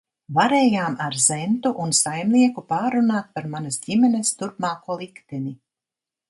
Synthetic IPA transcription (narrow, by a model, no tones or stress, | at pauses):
vaɾeːjaːmaɾzɛnt̪uʔunsajmliɛkupaːɾunaːt̪̚paɾmanɐsɟimɛnest̪uɾpmaːkuɔlˠikt̪ɛni